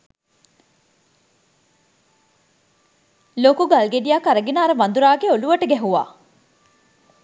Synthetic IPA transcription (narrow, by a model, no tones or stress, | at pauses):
loːkuɡɐlɡeɖijaːkɐɾɐɡenaːɾɐʋɐnd̪uɾaːɡeoluʋɐʈɐɡɛɦuʋa̰ː